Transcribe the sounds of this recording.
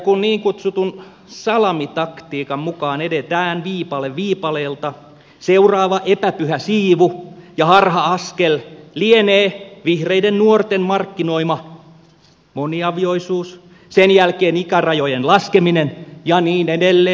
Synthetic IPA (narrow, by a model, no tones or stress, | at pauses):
kunniːŋkut̪sut̪un | sɑlɑmit̪ɑkt̪iːkɑmmukɑːnedet̪æːnʋiːpɑleʋʋiːpɑleːlt̪ɑ | seurɑːʋɑʔepæpyhæsiːʋujɑhɑrhɑɑskellieneːʋihreidennuort̪emmɑrkːinoimɑ | moniɑʋioisuːs | senjælkeːnikærɑjojenlɑskeminenjɑniːnedelːe